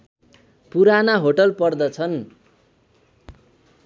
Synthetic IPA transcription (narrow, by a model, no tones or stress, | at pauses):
puɾanaɦoʈʌlpʌrd̪ʌt͡sʰʌn